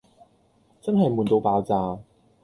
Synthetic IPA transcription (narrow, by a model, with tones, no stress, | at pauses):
t͡sɐ˥nɦɐ˨jmuː˨nt̪o˧wpaː˨˧wt͡saː˨˧